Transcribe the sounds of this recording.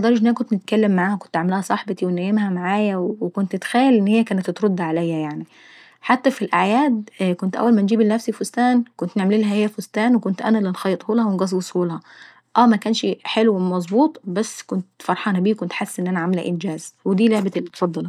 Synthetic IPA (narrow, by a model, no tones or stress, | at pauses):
d̪ˤɑɾˤɑʃʔnːænækont̪nɪt̪kælːemːaʕaːhækont̪ʕamlæhæsˤɑħbɑt̪iwenæjemhæmaʕaːjæwwekont̪et̪xæjːælʔenːhejːækæːnæt̪ːt̪ɾod̪ːaʕalæjːæjaʕni | ħat̪ːæfilʔaʕjæːd̪kont̪ʔæ̰wːælmænd͡ʒiːbelnæfsifost̪æːnkont̪neʕmliːlhæhejːæfost̪æːnwekont̪ʔæ̰nælenxɑjːet̪ˤhuːlhæwenɡɑs̬ˤbesˤhuːlhɑ | ʔæːmækæːnʃħelwemɑzˤbuːt̪ˤbæsːkont̪fɑɾˤħɑːnæbiːkont̪ħasːʔenːʔænæʕamelæ̰ʔɪnd͡ʒæːzwed̪iːleʕbælːit̪fɑd̪ˤːɑl